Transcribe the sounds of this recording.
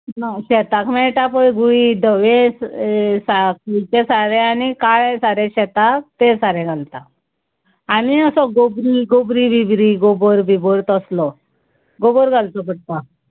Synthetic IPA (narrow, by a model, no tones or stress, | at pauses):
naɕɛt̪akmɛɭʈapojɡuɭiɖəʋẽssakit͡ɕesaɾẽanikaɭẽsaɾẽɕɛt̪ak̚t̪esaɾɛ̃ɡʱalt̪aː | miəsɔɡobɾiɡobɾibibɾiɡobɔɾbʱiboɾt̪əslɔ | ɡoboɾɡʱalt̪ɔpəɽ̚t̪a